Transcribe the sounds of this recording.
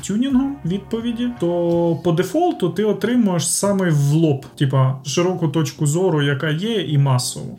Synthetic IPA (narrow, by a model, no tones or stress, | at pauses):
tʲunʲinɦɔmʋʲid̪̚pɔʋʲidʲit̪ɔpɔd̪efɔlˠt̪ʊt̪ɪɔt̪ɾɪmʊjeʃsɑmɪjʋlˠɔptʲipɐʃɪɾɔkʊt̪ɔt͡ʃkʊzɔɾʊjɐkɑjɛimɑsɔ̰ʋɔ̰